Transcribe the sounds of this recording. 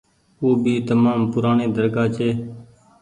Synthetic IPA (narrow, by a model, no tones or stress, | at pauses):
oːbiːt̪əmaːmpʊɾaːɳeːd̪əɾkaːt͡ʃʰeː